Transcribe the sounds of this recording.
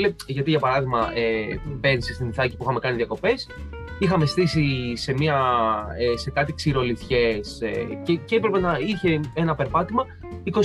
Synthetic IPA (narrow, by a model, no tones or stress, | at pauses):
leʝɐt̪iʝɐpɐɾɐðiɣmɐʔepensist̪iniθɐci̥puixɐme̞kɐniðijɐko̞pe̞s | ixɐme̞st̪isise̞miɐese̞kɐt̪iksiɾo̞liθçe̞sḛceceepɾe̞pe̞nɐiçe̞e̞nɐpe̞ɾpɐt̪imɐ | iko̞